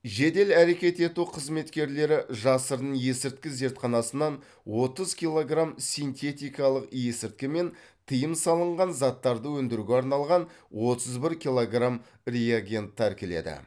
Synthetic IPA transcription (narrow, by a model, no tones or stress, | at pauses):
ʒe̞d̪e̞læɾe̞kʲe̞t̪e̞t̪uqʰəzme̞t̪kʲe̞ɾle̞ɾɪʒɑsəɾd̪əɴje̞sɪɾt̪̚kʲɪze̞ɾt̪qɑnɑsənɑn | wo̞t̪əzkʲijlˠo̞ɡramsijnt̪e̞t̪ʲijkɑlˠəqje̞sɪɾt̪̚kʲɪme̞n | t̪ʰəjəmsɑlˠəɴʁɑnzɑt̪ːɑɾd̪əwɵnd̪ɪɾuɡʲeɑɾnɑlˠʁɑn | wʔo̞t̪əzbɪɾkʲilˠo̞ɡram | rejaɡʲent̪ʰːæɾkʲɪle̞̰d̪ɪ̰